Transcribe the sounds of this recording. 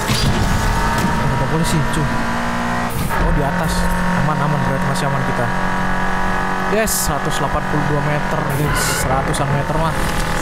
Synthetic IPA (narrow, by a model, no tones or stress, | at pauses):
amut̪apolisit͡ʃu | todiat̪as | əmanamaniat̪̚masiamankit̪a | dɛsəɾat̪uslapanpuluduamet̪ərdɪ | səɾat̪usanmet̪ərman